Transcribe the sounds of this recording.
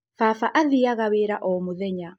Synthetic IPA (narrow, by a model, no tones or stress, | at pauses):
faːfaʔaðiaɣaweɾaʔɔmoðɛɲa